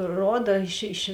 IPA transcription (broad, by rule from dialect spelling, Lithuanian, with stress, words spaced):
ˈroːdɐ ɪʃ ɪʃ